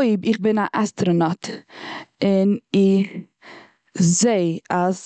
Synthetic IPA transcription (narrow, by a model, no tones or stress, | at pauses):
ɪbɪχbɪnaʔɛstəɾənɔt | ɪnɪ | zeɪaz